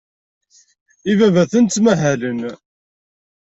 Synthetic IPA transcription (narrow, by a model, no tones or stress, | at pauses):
ivævæθənt̪ːmæɦælən